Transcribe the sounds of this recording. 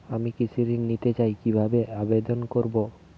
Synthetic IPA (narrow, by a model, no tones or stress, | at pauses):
amikisʰiɾiŋnit̪et͡ɕajkibʱabeabed̪onkoɾbo